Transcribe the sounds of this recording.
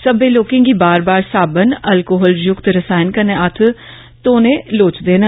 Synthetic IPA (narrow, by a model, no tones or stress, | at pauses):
səbeːloːkɪ̃ːŋɡiːbaːɾbaːɾsaːbənəlkoːɦɔːljʊkt̪ɾəsaːɪnkəneʔət̪ʰ | t̪oːnẽːloːt͡ʃd̪eːnə